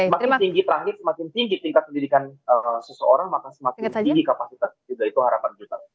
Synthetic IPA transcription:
makɪnt̪iŋɡit̪əɾaŋɡɪt̪̚səmakɪnt̪iŋɡit̪iŋkat̪̚kəndidikanəsəsəoɾaŋmakasəmak̪iɡikapasit̪asd͡ʒuɡait̪uhaɾapand͡ʒut̪a

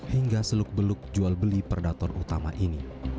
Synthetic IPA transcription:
hiŋɡasəlʊk̚bəlʊk̚d͡ʒualbəlipərdat̪ɔrut̪ama̰ʔini

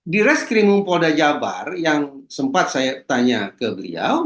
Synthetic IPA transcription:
diɾɛskɾimuŋpodad͡ʒaba̰rjaŋsəmpat̪̚sajat̪aɲakəbəlḭa̰w

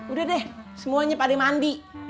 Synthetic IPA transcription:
udadɛhsəmuaɲapaliŋmandi

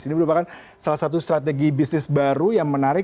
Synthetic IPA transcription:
sinibəɾupakan | salasat̪̬ust̪ɾat̪eɡibisnɪsbaɾujaŋmənaɾɪ

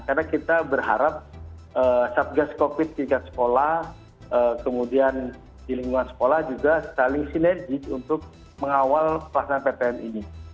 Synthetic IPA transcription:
karnakit̪abərɦa̰ɾap̚ | ʔəːsap̚ɡaskopɪt̪̚kikat̪sə̥kolah | ʔəkəmudian | diliŋɡuŋansə̥kolahd͡ʒuɡasalɪŋsinɛrd͡ʒɪkunt̪ʊk̚ | məŋawalpəlahsanpet̪ɛɛnini

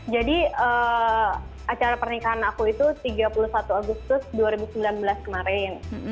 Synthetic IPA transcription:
d͡ʒadiə | at͡ʃaɾapərnikaɦanakuit̪ut̪iɡapulusat̪uaɡust̪ʊsduaɾibusəmbilanbəlaskəmaɾɪn

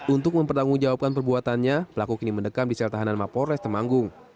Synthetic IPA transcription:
unt̪ʊk̚məmpərt̪aŋuŋd͡ʒawap̚kanpərbuat̪anɲapəlakukiniməndəkamdisɛlt̪aɦananmapoɾɛst̪ərmaŋɡʊŋ

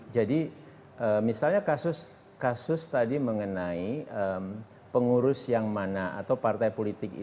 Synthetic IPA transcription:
d͡ʒadi | ʔəmisalɲakasʊs | kasʊst̪adiməŋənaiəm | pəŋuɾʊsjaŋmanaa̰t̪awpart̪ajpolit̪ɪk̚

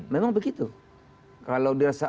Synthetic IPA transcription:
nmemaŋbəɡit̪u | kalawdiɾasa

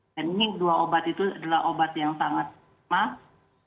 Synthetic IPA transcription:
aniniduaobat̪it̪uadalaɦʔobat̪jaŋsaŋat̪̚ | mah

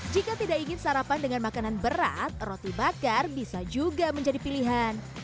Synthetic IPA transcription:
d͡ʒikat̪idaʔiŋɪnsaɾapandəŋanmakananbəɾa̰t̪̚rot̪ibakarbisad͡ʒuɡaməɲd͡ʒadipiliɦan

